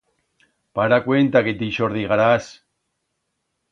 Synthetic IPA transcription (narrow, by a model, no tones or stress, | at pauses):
paɾakwent̪aket̪iʃoɾðiɣaɾas